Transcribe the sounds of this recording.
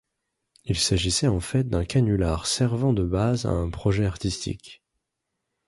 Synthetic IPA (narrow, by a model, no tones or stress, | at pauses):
ilsaʒisɛɑ̃fɛt̪̚d̪ɛ̃kanylaʁsɛʁvɑ̃d̪əbaza̰ɛ̃pχɔʒɛaʁt̪ist̪ʰḭk